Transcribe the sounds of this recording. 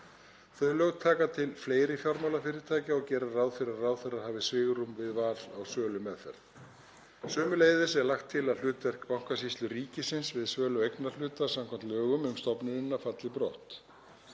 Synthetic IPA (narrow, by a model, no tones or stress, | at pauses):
θœɥlœɣt̪ʰaːkat̪ʰɪlfleːjɾɪfjaɾmawlafɪɾɪɾt̪ʰaːjcɪɔɣcɛːɾarawðfɪɾarawðfɪɾaɾhaːvɪsvɪːɣɾumvɪðvaːlawsœːlʏmɛðfɛ̰ɾð | sœːmʏleːjðɪsɛɾlaxt̪ʰːɪlaðlʏːt̪vɛr̥kpawŋ̥kasist̪lʏɾiːcɪsɪnsvɪðsvœːlʏejknaɾlʏːt̪ḁsamkʰam̥t̪lœːɣʏmʏmst̪ɔpnʏnɪnːafat̪lɪpɾoht̪